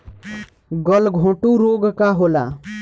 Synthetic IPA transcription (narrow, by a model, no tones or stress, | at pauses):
ɡəlɡʱõːʈuɾoɡkaɦola̰